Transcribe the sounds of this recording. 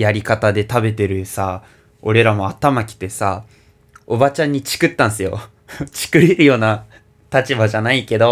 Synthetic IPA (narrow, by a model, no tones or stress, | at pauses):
jaɾʲikat̪ad̪e̞t̪abe̞t̪e̞ɾɯ̟sa | o̞ɾe̞ɾamo̞at̪amakʲi̥t̪ːe̞sa | o̞bat͡ɕãɲ̟ːit͡ɕi̥kɯ̟t̪ːãɰ̃s̬ɨjo̞̰ | t͡ɕi̥kɯ̟ɾʲeɾɯ̟jo̞ːna | t̪at͡ɕibaʑanaike̞d̪o̞